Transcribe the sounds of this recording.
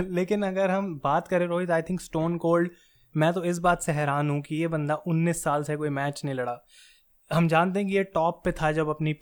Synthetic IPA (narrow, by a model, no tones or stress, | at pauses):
leːkɪnɐɡəɾɦɐmbaːt̪kɐɾẽɾoːit̪oaːɪt̪ʰɪ̃ŋksʈoːnkoːlɖ | mɛ̃ːt̪oɪs̬baːt̪seɦɛːɾaːnɦũkijebɐ̃nd̪aʔʊnːiːsːaːlsekoːimɛːt͡ʃnĩlɐɽaː | ɦɐmd͡ʒaːnt̪eɦɛ̃k̬ijeʈɔːpːet̪ʰad͡ʒɐbɐpni